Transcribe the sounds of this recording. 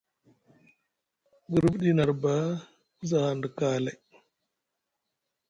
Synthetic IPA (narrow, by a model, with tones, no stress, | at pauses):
ɡə˨ɾə˦bɗi˦na˨ɾba˦ | u˦za˨ha˨ndə˨ka˦la˨j